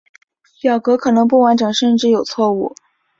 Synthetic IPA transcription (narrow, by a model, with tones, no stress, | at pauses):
ljɑ˨˩ʊkɤ˧˥kʰɤ˨˩nɤ˧˥ŋp̬u˥˩wa˧˥nʈ͡ʂɤ˨˩ŋʂə˥˧nʈ͡ʂɻ̩˥˩jo˨˩ʊt͡sʰwɔ˥˧u˥˩